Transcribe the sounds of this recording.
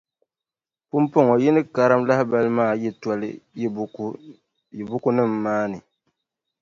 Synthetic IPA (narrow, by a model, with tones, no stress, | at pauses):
pu˦mpo˦ŋɔ˨ji˦nɨ˦ka˨ɾa˦mla˦hɪ˦ba˦lɨ˦maː˦˨ji˦tɔ˦lɨ̰˦˨˦ | bu˦ku˦nɨ˦˨mːaː˦nɨ˨